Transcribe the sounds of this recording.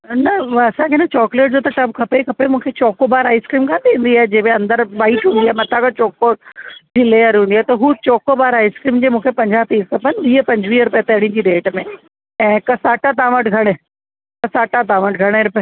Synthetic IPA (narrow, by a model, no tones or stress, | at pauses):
nɐɐsãkʰeɪnət͡ɕɔːkleːʈ̚d͡ʑoːt̪ɐʈɐbkʰɐpekʰɐpemũːkʰet͡ɕɔːkobaːɾaːɪskɾiːmkʰãːt̪ʰĩːn̆d̪iaːɦed͡ʑeːbẽɐ̃nd̪əɾʋaːiʈɦũːnd̪iaɦmɐt̪ʰakat͡ɕɔːkod͡ʑiːleːəɾɦũːnd̪iaːɦet̪ɐɦut͡ɕɔːkobaːɾaːɪskɾiːmd͡ʑeːmũːkʰepɐ̃ɲd͡ʑaːt̪iːskʰɐpənʋiːəpɐ̃ɲd͡ʑʋiːɦɾʊpet̪ɐɽ̃ĩd͡ʑiːɾeːʈmẽ | ɛ̃ːkɐsaːʈat̪̬ãːʋəʈɡʱɐɽ̃e | kɐsaːʈat̪̬ãːʋəʈɡʱɐɽ̃eɾʊpe